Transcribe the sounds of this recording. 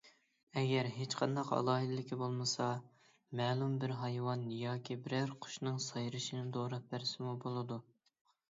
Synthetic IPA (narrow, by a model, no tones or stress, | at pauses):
ɛɡʲɛɾɦet͡ʃqʰɑnd̪ɑqɑ̰lˠɑːɦid̪ɪlɪkʲibolˠmɨsɑ | mɛːlˠumbɪɾɦɑjwɑnjɑːkʲʰibɪɾæɾqʰʊ̥ʃnɨŋsɑjɾɨʃinɪd̪oɾɑp̚bæɾsɪmubolˠɨd̪u